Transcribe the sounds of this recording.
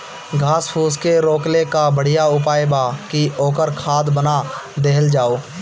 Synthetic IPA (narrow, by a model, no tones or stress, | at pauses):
ɡʱaːspʰuːskeɾoːklekabəɽ̤ijaʊpaːjbakioːkəɾkʰaːd̪bənad̪eɦəld͡ʒaːoː